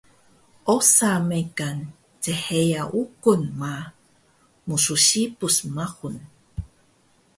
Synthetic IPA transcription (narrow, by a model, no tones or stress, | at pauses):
ʔosamekan | t͡səhejaʔukunma | musuɕipusmaxun